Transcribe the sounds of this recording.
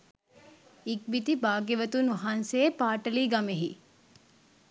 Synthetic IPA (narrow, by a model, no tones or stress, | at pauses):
ik̚bit̪ibaːɡeʋɐt̪unuɦansepaːʈɐliːɡɐmeɦi